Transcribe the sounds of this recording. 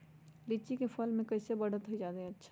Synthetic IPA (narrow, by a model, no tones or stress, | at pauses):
lit͡ʃikepʰəlmẽkəɪsebəɽ̤ət̪ɦoid͡ʒaːd̪ẽətːʃʰa